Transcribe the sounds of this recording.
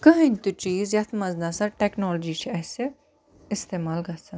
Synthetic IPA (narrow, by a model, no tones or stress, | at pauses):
kɐɦɐ̃nʲt̪ut͡ʃiːzjɐt̪ʰmɐznasɐʈɛːknɔːld͡ʒit͡ʃʰiɐse | ɪst̪eːmaːlɡɐsɐ